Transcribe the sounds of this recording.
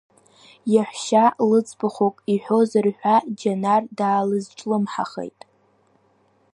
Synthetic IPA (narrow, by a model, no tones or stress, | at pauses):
jaħʷʃalɨt͡sʼbɨχʷokʼiħʷᶣo̞zarħᶣʷad͡ʒanardaːlɨzʈ͡ʂʼlɨmħa̰χḛjtʼ